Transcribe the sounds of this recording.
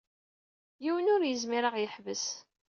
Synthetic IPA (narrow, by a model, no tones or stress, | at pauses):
jiwənʊɾjəzmiɾəʁjəħvəs